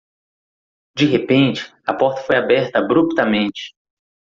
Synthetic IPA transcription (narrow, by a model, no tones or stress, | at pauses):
d͡ʒiɦepẽnt͡ʃɪ̥ɐpɔɾt̪ɐ̥fojabɛɾt̪ɐbɾupt̪ɐmẽnt͡ʃɪ̥